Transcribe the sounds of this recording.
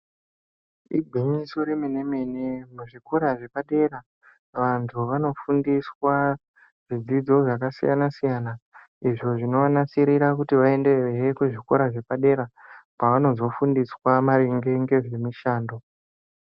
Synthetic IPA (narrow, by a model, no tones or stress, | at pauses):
iɡʱiɲiso̞ɾemine̞me̞nemuʐiko̞ɾaʐe̞paɗe̞ːɾa | ʋantʰuʋano̞fundiswa | ʐid͡zid͡zo̞ʐakasija̰nasijana | iʐo̞ʐinoʋanasiɾiɾak̬utiʋae̞nde̞eɦekuʐiko̞ɾaʐe̞paɗe̞ɾapaʋano̞zo̞fundiswamaɾiŋɡe̞ŋɡe̞ʐemiʃaːndo̞